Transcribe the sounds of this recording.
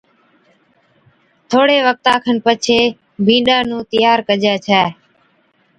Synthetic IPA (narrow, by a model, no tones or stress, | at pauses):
t̪ʰoːɽeːʋək̚t̪aːkʰənpət͡ʃʰeː | bʱĩːɗaːnũːt̪əɪjaːɾkəd͡ʒɛːt͡ʃʰɛː